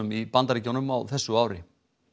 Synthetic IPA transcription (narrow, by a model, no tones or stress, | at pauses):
ʏmipant̪aɾɪcownʏmawθɛsːʏaːwɾɪ̰